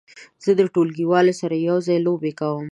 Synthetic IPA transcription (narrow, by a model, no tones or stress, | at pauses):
z̥əd̪əʈolɡiwɑlosaɾajawzɑjlobekawəm